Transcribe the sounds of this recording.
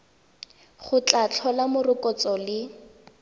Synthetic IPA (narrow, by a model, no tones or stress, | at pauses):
χʊt͡ɬʼat͡ɬʰɔlamʊrʊkʼɔt͡sɔlɪ